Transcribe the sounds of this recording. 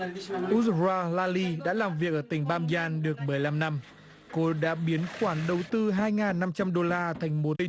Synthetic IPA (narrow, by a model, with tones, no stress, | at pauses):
ʔu˧˦˥zaː˧laː˧li˧ɗa̰ː˧˥laː˨˩mvi˨˩ək̚ʔəː˧˩t̪ï˨˩ŋ̟ɓaː˧mzaː˧nɗɨ˨˩ək̚mə˨˩əjla˧mna˧m | ko˧ɗa̰ː˧˥ɓi˨˦ənxwaː˧˩nɗə˨˩wt̪ɨ˧ɦaː˧jŋaː˨˩nːa˧mt͡ɕa˧mɗo˧laː˧t̪ʰa˨˩jŋ̟mo˨˦˧